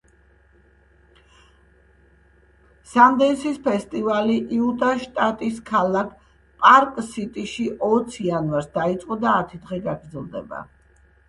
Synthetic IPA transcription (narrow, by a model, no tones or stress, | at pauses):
sand̪ɛnsispʰɛst̪ʼivaliʔiut̪ʼaʃt̪ʼat̪ʼiskʰalˠakʰ | pʼaɾkʼsit̪ʼiʃiʔɔt̪sʰianvaɾsd̪ait̪sʼqʼɔd̪aːt̪ʰid̪ʁɛɡaɡɾd̪zɛlˠd̪ɛ̰ba̰